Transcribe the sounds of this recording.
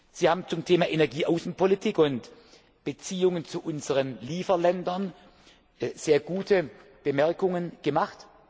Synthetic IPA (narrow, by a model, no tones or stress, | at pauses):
z̥iːhaːbm̩t͡sʊmtʰeːmaːʔenɛɐɡiːʔaʊsn̩pʰolitʰiːkʊnt | b̥ət͡siːʊŋənt͡suʔʊnzəʁənliːfɐlɛndɐn | z̥eːɐɡuːtʰə | b̥əmɛɐkʊŋənɡ̥əmaχt